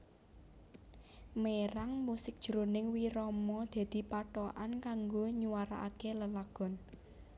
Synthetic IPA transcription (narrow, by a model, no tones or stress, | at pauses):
meɾaŋmusɪk̚d̥ʒ̥əɾonɪŋwiɾɔmɔd̪̥a̤d̪̥i̤paʈɔʔankaŋɡoɲuwaɾa̰ʔa̰keləlaɡ̥ɔ̤n